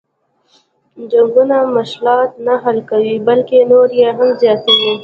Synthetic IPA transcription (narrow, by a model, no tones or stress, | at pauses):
d͡ʒaŋɡunamaʃlɑt̪̚naɦalkawibəlkenoɾjeɦamzjɑt̪awi